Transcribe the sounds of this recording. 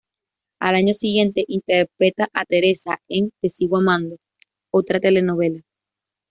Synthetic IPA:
alaɲosiɣje̞nt̪eʔint̪eɾpɾet̪aʔat̪eɾesaeŋt̪esiwamãnd̪o | ot̪ɾat̪elenoβela

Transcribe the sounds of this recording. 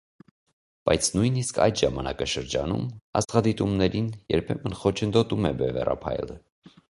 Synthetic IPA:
b̥ɑjt͡sʰnujniskʰɑ̰jd̪ʒɑmɑnɑkɑʃəɾd͡ʒɑnṵmɑ̰sʁɑd̪it̪umnɛɾinjɛɾpʰɛmənχɔt͡ʃʰənd̪ɔt̪umɛbɛvɛ̰rɑ̰pʰɑ̰jlə

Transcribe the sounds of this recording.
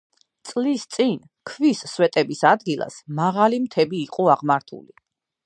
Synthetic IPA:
t̪sʼlist̪sʼin | kʰvisːwɛt̪ʼɛbisad̪ɡilˠa̰smaʁalimt̪ʰɛbiːqʼɔaʁmaɾt̪ʰṵli

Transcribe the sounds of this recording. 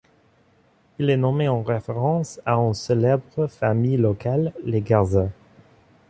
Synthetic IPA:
ilɛnɔmeɑ̃ʁefeʁɑ̃saynselɛbʁəfamijlɔkalːeɡaʁzɛ̃

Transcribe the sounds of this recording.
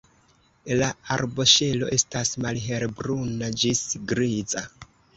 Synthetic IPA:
laaɾbo̞ʃe̞lo̞̰ʔe̞stasmalɦe̞ɾbɾunad͡ʒisɡɾiza

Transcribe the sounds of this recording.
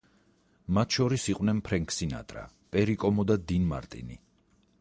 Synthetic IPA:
mat̪ʰʃɔɾisiqʼwnɛnpʰɾɛŋkʰsina̰t̪ʼɾa̰ | pʼɛɾikʼɔmɔd̪ad̪inma̰ɾt̪ʼḭnḭ

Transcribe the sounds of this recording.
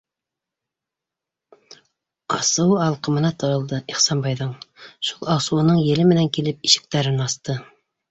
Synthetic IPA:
ɑsɤ̆wɑlˠqɤ̆mɤ̆nɑt̪ɤ̆ɾɤ̆lˠd̪ɤiχsɑnbɑjðɤɴʃulˠɑsɤ̆wɤ̆nɤɴjɘ̆lɘmɘ̆næŋkilɘp̚iʃɘ̥̆k̚t̪æɾɘnɑst̪ɤ

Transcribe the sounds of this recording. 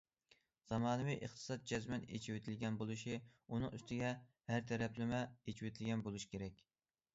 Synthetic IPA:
z̥ɑmɑːnɨvijʔəχt̪ʰɨ̥sɑt̪̚d͡ʒɛzmɛnḛt͡ʃʰiwt̪ʰɪlɡʲɛnbolˠuʃiunɨŋy̰st̪ʰɪɡʲɛ | hæɾt̪ʰɛɾɛplɪmɛet͡ʃʰiwet̪ʰɪlɡʲɛnbolˠuʃi̥kʲʰeɾɛkʲ

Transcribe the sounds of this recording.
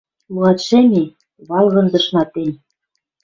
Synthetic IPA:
luɑt̪ʃemʲe | βɑlˠɣɤ̆nd̪ɤ̆ʃnɑt̪enʲ

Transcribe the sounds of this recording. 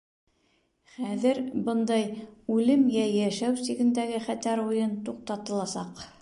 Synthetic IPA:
χæðɘɾbɤnd̪ɑjʉlɘmjæjæʃæwsiɡɘ̆nd̪æɡɘχæt̪æɾujɤnt̪uq̚t̪ɑt̪ɤ̆lˠɑsɑq

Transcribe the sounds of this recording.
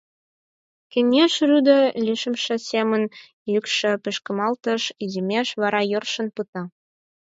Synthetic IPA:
kɘ̆nʲeʃryd̪əlʲiʃə̆mʃɤ̆sʲemə̆n | jykʃɘ̆pɘ̆ʃkə̆mɑlt̪ɤ̆ʃizimʲeʃβɑɾɑjɤrʃɤ̆npɯt̪ɑ

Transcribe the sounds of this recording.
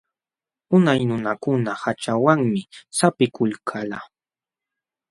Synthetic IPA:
ʊnajnʊnakʊnahat͡ʃawaŋmɪsapɪkʊlkʰala

